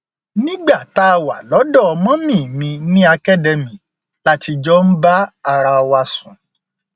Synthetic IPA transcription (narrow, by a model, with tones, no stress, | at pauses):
nĩ˦ɡ͡ba˦˨ta˦˧wa̰˨lɔ˨˦dɔ˦˨ɔ˧mɔ̃˦mĩ˦˨mĩ˧nĩ˦a˧kɛ˦˨dɛ˧mĩ˨˦ | la˦ti˧d͡ʒɔ˦n̩˦ba˦a˧ɾa˧ɔ˧wa˧sṵ̃˨